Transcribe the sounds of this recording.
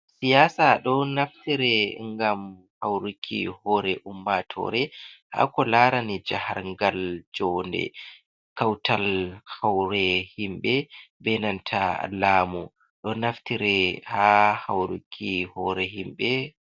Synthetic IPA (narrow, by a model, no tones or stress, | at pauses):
sijaːsaɗɔnaftiɾɛŋɡam | hawɾukʰḭhɔɾɛʔumːatʰɔ̰ɾɛha̰kɔlaːɾanid͡ʒaha̰ɾŋɡald͡ʒɔndɛ̰ | kawtʰalhawɾɛhimbɛbɛnantʰalaːmu | ɗɔnaftiɾɛhahawɾṵkʰːihɔɾɛɦimɓɛ